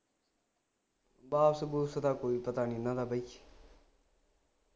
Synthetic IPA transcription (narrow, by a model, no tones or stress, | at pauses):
baːbsəbuːsət̪aːkoːiːpət̪aːninat̪ʰaːbʱəi